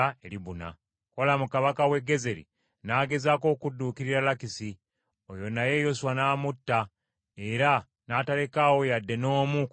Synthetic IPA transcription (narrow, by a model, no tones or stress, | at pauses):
eliβuna̰ | ko̞lamukaβakawe̞ɡːe̞ze̞ɾḭ | naːɡe̞zako̞ːkudːuːkiɾiɾalakisi | ojo̞naje̞jo̞swanaːmutːa | eɾa | naːtale̞kawo̞jadːe̞no̞ːmuk